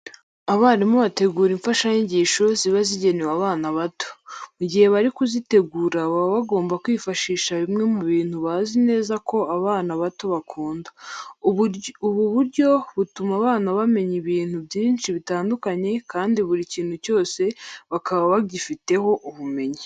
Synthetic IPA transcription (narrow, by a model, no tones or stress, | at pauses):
aβaːɾimuβate̞ɡuːɾiɱfaʃajiɲɟiːʃo̞ziβaziɟe̞newaβaːnaβato̥muɟihe̞βaɾikuzite̞ɡuːɾaβaβaβaɡo̞ːmbakwiːfaʃiːʃaβimŋe̞muβiːnhuβazine̞ːzakʰo̞aβaːnaβato̞βakʰuːnda | uβuβuɾɟo̞βutumaβaːnaβame̞ɲiβiːn̥hubjiːnt͡ʃiβitaːndukaɲe̞kaːndiβuɾiciːn̥huco̞ːse̞βakaβaβaɟifite̞ho̞ʔuβume̞ɲi